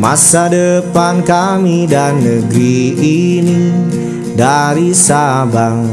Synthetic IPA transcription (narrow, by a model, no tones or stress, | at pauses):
ma̰sadəpankamidanːəɡɾiini | daɾisabaŋ